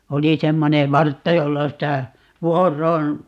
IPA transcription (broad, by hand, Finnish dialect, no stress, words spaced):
oli semːone ʋɑrtːɑ jolːɑ sitæ ʋuorˑoːn